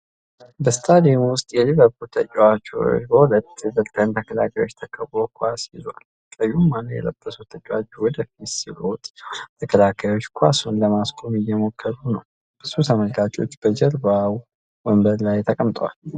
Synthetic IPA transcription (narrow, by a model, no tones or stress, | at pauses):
bəst̪ʰad̪emwʊst̪ʼjɛliβəɾkut̪ʰət͡ʃʼwat͡ʃːo̰bəhulət̪ːɨzət̪ʼːənt̪ʰəkʰəla̰kʰajo̞t͡ʃːt̪ʰəkʼʰəβɾokʰʷasjizwa̰l | kʼəjumːanəjɛ̰ləb̥ːəsut̪ʰət͡ʃʼːwat͡ʃːuwɔd̪əfit̪silot̪ʼt̪ʰəkʰəlakʰajo̞t͡ʃːkʰʷasunləmaskʼo̞mɪjɛmo̞kʰːəɾunəw | b̥ɨsut̪ʰaməlɡat͡ʃʼo̞t͡ʃːb̥əd͡ʒəɾbaw | wəmbəɾlajt̪ʰəkʼəmt̪ʼwa̰l